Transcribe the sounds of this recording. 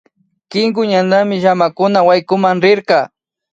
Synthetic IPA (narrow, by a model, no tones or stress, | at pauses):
kɪŋɡʊɲanamɪʒamakʊnawajkʊmaŋɾɪɾkɑ